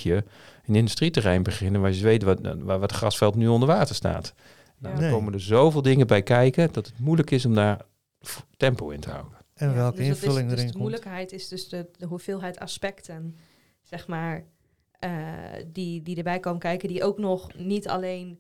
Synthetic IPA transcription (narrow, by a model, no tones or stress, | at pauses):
jə | ənɪndystritərɛjnbəχɪnənʋajsʋejtaʋɑtχrɑsfɛlˠtnyɔndəɹʋaːtəɹsta̰ːt | ndakoːmədəɹzowvɪːlˠdɪŋəbɛjkɛjkədɑtətmujləkɪsɔmdaːɹ | tɛmpo̰ɪ̰ntəha̰wdənɛnʋɛlˠkdəɪnvəlɪŋdəɾɪ̃nmujləkɦɛjtɪsdøsdədəɦuv̥ɪːlˠɦɛjta̰spɛktən | z̥ɛxmaːɹ | ədididəɹbɛjkowmənkɛjkəndiʔowknɔχnita̰lejn